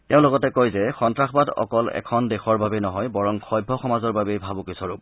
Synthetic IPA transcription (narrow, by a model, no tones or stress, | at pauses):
teʊ̃lɔɡɔtɛkojzɛxɔntɹaxbadɔ̰kɔlɛ̰kʰɔndɛxʰɔɹbabɛnɔɦɔjbɔɹɔŋxɔjbʱːɔxɔmazɔɹbabejbʱabʊkisɔɹup̚